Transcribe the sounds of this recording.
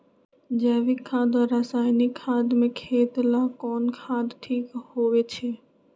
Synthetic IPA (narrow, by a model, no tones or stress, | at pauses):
d͡ʒɛːʋɪkʰːãːd̪aɾasaːɪnikʰːãːd̪mẽkʰeːt̪lãːkɔːnkʰãːd̪ʈʰiːkhoʋet͡ʃʰeː